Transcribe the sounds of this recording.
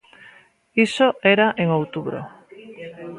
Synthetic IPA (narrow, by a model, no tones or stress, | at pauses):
isoeɾaʔeŋowt̪uβɾo̰